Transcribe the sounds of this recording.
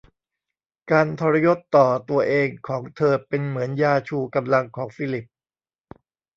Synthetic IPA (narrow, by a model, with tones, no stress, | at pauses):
kaː˧nt̪ʰɔː˧ɾa˧jo˦˥t̪ːɔː˨˩t̪u˧ɐʔeː˧ŋkʰɔː˩˦ŋt̪ʰɤː˧pe˧nmɯ˩˦ənjaː˧t͡ɕʰuː˧ka˧mla˧ŋkʰɔː˩˦ŋfi˦˥˩li˨˩p̚